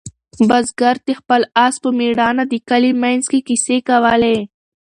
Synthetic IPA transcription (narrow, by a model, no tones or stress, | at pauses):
bazɡaɾt̪expəlaspəmiɽɑnad̪ikalimanzkekisekawəle